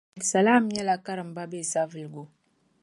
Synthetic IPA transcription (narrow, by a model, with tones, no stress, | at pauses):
tsa˨la˦˨m˦ja˦la˨ka˦ɾə˨m˨ba˦be˦˨sa˦və˨lɡu˦